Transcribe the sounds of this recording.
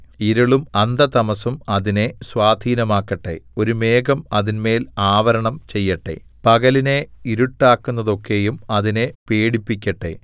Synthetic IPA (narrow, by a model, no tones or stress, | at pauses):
iɾɐɭumɐnd̪ɐt̪ɐmɐsumɐðine̞sʋaːd̪ʱiːnɐmaːkːɐʈːe̞̰o̞ɾumeːɡɐmɐðinme̞ːlaːʋɐɾɐɳɐmt͡ɕe̞jːɐʈːe̞̰ | pɐɣɐline̞iɾuʈːaːkːunːɐðo̞kːe̞jumɐðine̞peːɽipːikʲːɐʈːe̞̰